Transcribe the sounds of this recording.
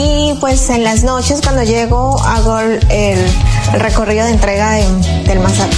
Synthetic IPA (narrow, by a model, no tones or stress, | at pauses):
i | pwe̞se̞nlazno̞t͡ʃe̞skwand̪o̞ʝe̞ɣo̞aɣo | ellre̞ko̞riðo̞ðent̪ɾe̞ɣaen | d̪e̞lmasat̪